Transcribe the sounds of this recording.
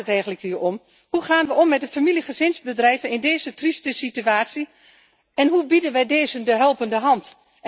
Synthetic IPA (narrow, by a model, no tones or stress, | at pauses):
ətɛjɣən̩tləkyəɔm | huχaːnʋəɔmːɛt̚dəfamiliχəzɪnzbədrɛjvənɪndeːzətristəsityaːtsi | ɛnɦubidənʋɛjdeːzəndəɦɛlˠpəndəɦɑnt